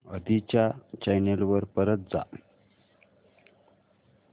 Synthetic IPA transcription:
əd̪it͡ɕjat͡ɕajnelʋəɾpəɾət̪̚d͡za̰

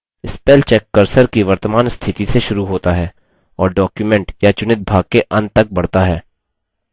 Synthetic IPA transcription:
ɪspeːlt͡ʃɛːkːəɾsəɾkiʋɐɾt̪əmaːnst̪ʰɪt̪iseʃʊɾuɦoːt̪aɦɛː | ɔːɾɖɔːkjumɛ̃ɳʈjat͡ʃʊnɪt̪̚bʱaːɡ̚keʔɐ̃nd̪t̪ɐk̚bɐɽt̪aɦɛː

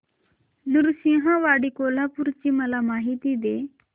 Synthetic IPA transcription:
nuɾsĩɦãʋaɽikolapuɾt͡ɕiːməlamaɦit̪id̪e

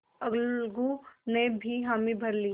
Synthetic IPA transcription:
ɐɡlɡunebʱiɦaːmibʱɐɾliː

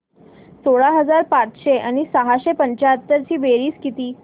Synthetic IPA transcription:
soɭaɦəd͡zaɾpat͡sɕeʔañisəɦaɕepəɲt͡ɕaət̪ːəɾt͡ɕiːʋeɾiːskit̪iː

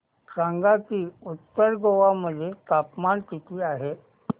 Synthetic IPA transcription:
kɾãŋɡat̪iːut̪ːəɾɡoʋaməd̪ʱːjet̪apmaɳt̪it̪ʰiːaɦe

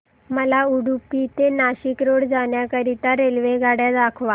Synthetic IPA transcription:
məlauɽupːit̪enaɕikɾoɽd͡zaɳjakəɾit̪aɾelʋeɡʱaɽjad̪akʰʋa

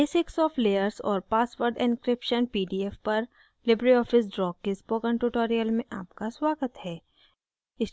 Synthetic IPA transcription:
beːsɪksɔːfleːəɾsɔ̰ːɾpaːsʋəɾɖɪ̃nkɾɪpʃənpiːɖiɛfpɐɾ | lɪbɾiɔːfɪs̬ɖɾɔːkːespoːkə̃ɳʈuʈoːɾijəlmẽʔa̰ːpkaswaːɡət̪ɦɛː | ɪs

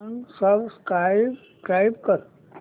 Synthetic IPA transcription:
nsəbskɾabskɾajbkəɾ

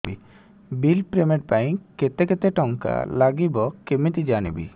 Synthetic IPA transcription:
i | bilpɾɛmeʈ̚pajkɛt̪ɛkɛt̪ɛʈɔŋka̰laɡibɔkɛmit̪id͡ʒanibḭ

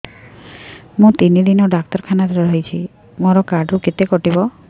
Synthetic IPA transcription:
mũt̪inid̪inɔɖak̚t̪ɔɾkʰanat̪ɾɔɾɔɦit͡ʃʰi | moɾɔkaɖɾuket̪ekɔʈibɔ

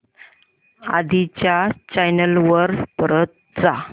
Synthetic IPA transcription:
a̰d̪ʱit͡ɕjat͡ɕajnəlʋəɾpɾət̪̚d͡za

